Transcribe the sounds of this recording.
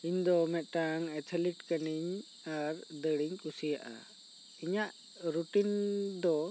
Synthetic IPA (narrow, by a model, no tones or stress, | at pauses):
iɲd̪ɔmɛt̪̚ˀʈaŋɛt̪ʰɛliʈkəniɲ | aɾd̪əɽiɲkusija̰ʔa̰ | iɲaʔ | ɾuʈind̪ɔ